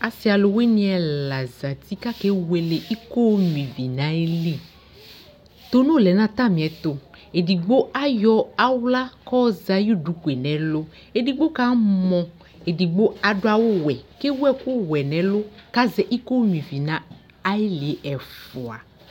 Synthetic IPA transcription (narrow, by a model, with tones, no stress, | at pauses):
a˨si˨˦a˨lo˨we˦nĩ˦ɛ˨la˨za˨t̪i˦ka˦ke˦we˨le˨ʔi˦ko˦m˨ĩ˨vi˨nã˦e˦li˦˨ | t̪o˦nõ˦˨lɛ˨nã˦t̪ã˦˨mĩ˨ɛ˨t̪o˨e˨di˨ɡ͡bo˦a˦jɔ˦a˦wla˦kɔ˦za˦ju˦du˨˦ku˨e˨nɛ̃˨˦lo˦ | e˨di˨ɡ͡bo˦ka˦mɔ̃˨ | e˨di˨ɡ͡bo˦a˨ɖo˦a˨wo˦wɛ˨ke˦wɛ˦ku˦wɛ˨nɛ̃˨˦lo˦ka˦zɛ˨ʔi˦ko˦mĩ˨vi˨nã˦ | a˦e˦li˨e˨ʔɛ˨fo˨a̰˨